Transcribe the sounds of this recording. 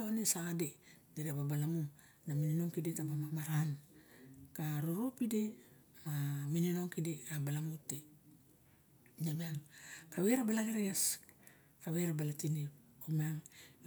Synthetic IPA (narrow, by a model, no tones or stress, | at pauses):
aonesaɡade | dedeababalamuŋ | namininoŋkidetabamamaɾan | kaɾuɾupide̞ | mamininoŋkideabalamute | nameaŋkaβeɾabalaɡeɾeɡas | kaweɾabalatini | omeaŋ